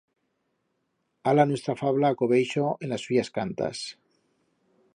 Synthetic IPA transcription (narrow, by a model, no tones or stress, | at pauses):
alanwe̞st̪ɾafaβlakoβejʃoenlasːuʝaskant̪a̰s